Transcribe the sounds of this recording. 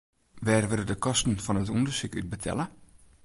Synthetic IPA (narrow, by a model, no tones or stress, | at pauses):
ʋɛːrʋɪlədəkʰɔstn̩fɔnətundərsykyt̚bətʰɛ̰lə